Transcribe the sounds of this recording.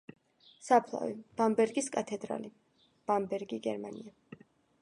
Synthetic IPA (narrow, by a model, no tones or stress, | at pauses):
sapʰlˠa̰vḭb̥ambɛɾɡiskʼat̪ʰɛd̪ɾa̰li | b̥ambɛɾɡiɡɛ̰ɾmania